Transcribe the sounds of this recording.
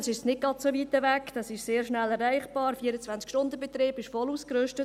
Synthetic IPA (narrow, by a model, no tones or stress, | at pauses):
nsɪʃsnɪɡ̚ɡ̥ɑsoʋiːt̪əvækd̥ɑsɪʃseːɾʃnælɛrːæɪχb̥ɑːɾfiːəɾət͡sʋænt͡skʃtʊndəbɛt̪ɾiːb̥ɪʃfɔluːskɾʏʃtə